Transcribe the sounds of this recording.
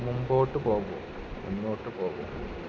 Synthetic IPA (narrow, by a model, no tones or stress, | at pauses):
mumboːʈːɨpoːɣo̰ | munːoːʈːɨpoːɣo̰